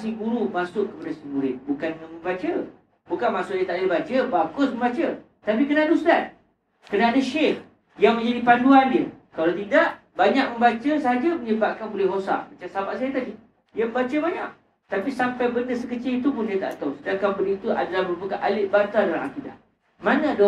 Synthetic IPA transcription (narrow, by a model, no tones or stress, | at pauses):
siɡuɾumasʊʔkːəpadasəmuɾɪt̪̚bukanŋanmə̃mbat͡ʃə | bukanmasʊʔ̚diət̪aʔdibat͡ʃəbakʊsməmbat͡ʃə | t̪ap̬ikənadusudat̪̚ | kənaadaʃɪh | jaŋmə̃ɲd͡ʒadipanduandiə̰kalat̪idaʔbaɲaʔ̚mə̃mbat͡ʃəsəɦad͡ʒəməɲəbaʔ̚kanbolɪhɦosa̰ʔmat͡ʃamsabaʔsajat̪adi | diəməmbat͡ʃəbaɲaʔ | t̪apisampajbəndəsəkət͡ʃɪlit̪upʊndiət̪a̰ʔt̪awsədakampədiit̪ua̰dalahbəɾbukaʔalɪʔ̚bat̪adala̰ma̰kida̰ | manə̃do